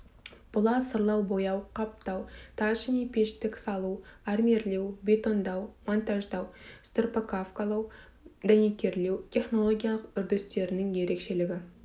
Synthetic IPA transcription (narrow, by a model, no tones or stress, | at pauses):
b̥ʊlˠɑsəɾlˠɑwbo̞jɑwqʰɑp̚t̪ɑwt̪ʰɑʒnijpʲʰe̞ʃt̪ːɪkʲsɑlˠuæɾme̞ɾle̞wbʲe̞t̪o̞nd̪ɑwmont̪aʒd̪ɑwst̪rpakafkalˠɑw | d̪ænekʲe̞ɾle̞wt̪ʰʲe̞χno̞lˠo̞ɡʲijalˠəqʏɾd̪ɪst̪e̞ɾɪnɪŋje̞ɾe̞kʃe̞lɪɡʲɪ